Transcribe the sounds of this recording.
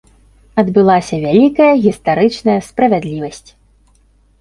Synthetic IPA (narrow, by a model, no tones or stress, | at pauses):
ɐd̪bɨlˠasʲɐvʲalʲikɐjɐɣʲist̪aɾɨt͡ʂnɐjɐspɾɐvʲad̪lʲivɐsʲt͡sʲ